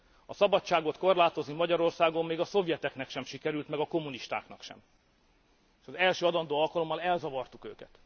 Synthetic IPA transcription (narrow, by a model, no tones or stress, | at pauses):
ɒsɒbɒt͡ʃt͡ʃːaːɡo̞t̪ko̞rlaːt̪o̞znimɒɟɒɾo̞rsaːɡomːeːɡɒso̞vjɛt̪ɛknɛkʃɛmʃikɛɾylt̪mɛɡɒko̞mːuniʃt̪a̰ːknɒkʃɛ̰m | eːʃɒzɛlʃøːɒd̪ɒnd̪oːɒlkɒlo̞mːɒlɛlzɒvɒrt̪ukø̰ːkɛt̪